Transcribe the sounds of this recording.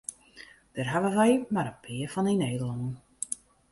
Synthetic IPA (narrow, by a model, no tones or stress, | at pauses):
d̥ərɦaʋəʋɛjmaɾəpʰɪəfɔnineːdəlˠɔŋən